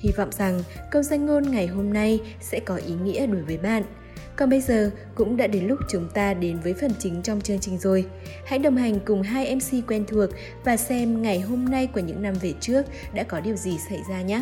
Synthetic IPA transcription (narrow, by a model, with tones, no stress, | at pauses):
hi˧vɔ̰˧˨wŋ͡mza˨˩ŋkə˧wŋ͡mzaː˧ŋŋo˧nŋa˨˩jɦo˧mna˧j | sɛ̰˧˥kɔ˨˦ʔi˨˦ŋḭ˧˥əɗo˨˦jvəː˨˦jɓa̰ː˧˨n | kɔ˨˩nɓə˧jzəː˨˩ | kʊ̰˧˥ŋ͡mɗa̰ː˧˥ɗe˨˦nlʊ˦˥k͡p̚t͡ɕʊ˨˦ŋ͡mt̪aː˧ɗe˨˦nvəː˨˦jfə˨˩nt͡ɕï˨˦ŋ̟t͡ɕɔ˧wŋ͡mt͡ɕɨ˧əŋt͡ɕï˨˩ŋ̟zo˨˩j | ha̰˧˥jɗə˨˩wŋ͡mɦa˨˩jŋ̟kʊ˨˩ŋ͡mɦaː˧jʔɛ˧msi˧kwɛ˧nt̪ʰu˨˩ək̚ | vaː˨˩sɛ˧mŋa˨˩jɦo˧mna˧jku˧˩əɲɨ̰˧˥ŋna˧mve˨˩t͡ɕɨ˦˥ək̚ɗa̰ː˧˥kɔ˨˦ɗi˨˩əwzi˨˩sa˧˩jzaː˧ɲaː˨˦˥